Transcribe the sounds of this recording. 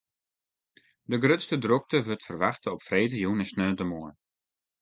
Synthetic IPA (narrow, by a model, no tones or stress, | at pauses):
dəɡrøtstədruk̚təʋøtfərʋaxtəɔpfreːtəjuːnəsnøːntəmoən